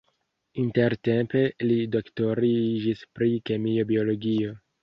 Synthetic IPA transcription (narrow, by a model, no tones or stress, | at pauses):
inte̞ɾte̞mpe̞lido̞kto̞ɾid͡ʒispɾike̞mio̞bio̞lo̞ɡio̞